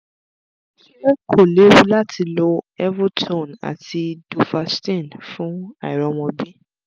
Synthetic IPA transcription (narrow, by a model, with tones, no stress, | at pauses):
ʃi˦ɛ˦kʰo˦˨le˨˦wu˦la˦ti˧lo˧ɛ˦vu˦tʰõ˦˨na̰˨tʰi˧du˨fa˧stĩ˦˨nfũ˦a˦˨i˨ɾɔ˨˦wɔ̃˧bi˦